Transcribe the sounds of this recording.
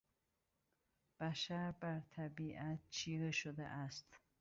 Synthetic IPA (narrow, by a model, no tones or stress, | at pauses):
b̥æʃaɾbæɾt̪ʰæbiːʔæt̪̚t͡ʃʰiːɾeʃod̪ḛʔast̪